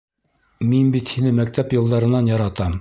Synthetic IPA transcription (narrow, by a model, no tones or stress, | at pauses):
minbit̪hinɘmæk̚t̪æpjɤ̆lˠd̪ɑɾɤ̆nːɑnjɑɾɑt̪ɑm